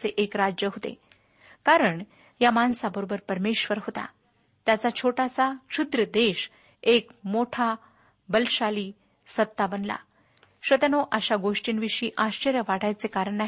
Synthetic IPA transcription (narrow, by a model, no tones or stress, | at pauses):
t͡seʔekɾad͡ʑjəɦot̪ḛ | kaɾəɳ | jamansabəɾobəɾpəɾmeɕʋəɾɦot̪a̰ | t̪jat͡sat͡ɕʰoʈasaɕud̪ɾəd̪eɕ | ekmoʈʰa | bəlɕaliː | sət̪ːabənla̰ | ɕʋət̪ənoʔəɕaɡoʂʈiːnʋiʂiːʔaɕt͡ɕəɾjəʋaɽajt͡sekaɾəɳːa